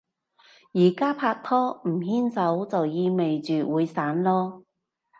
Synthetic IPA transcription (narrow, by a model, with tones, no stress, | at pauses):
jiː˨˩kaː˥pʰaː˧k̚t̪ʰɔː˥m̩˨˩hiː˥nsɐ˨˥wt͡sɐ˨wjiː˧me˨jt͡ʃyː˨wuː˨˧jsaː˨˥nlɔː˥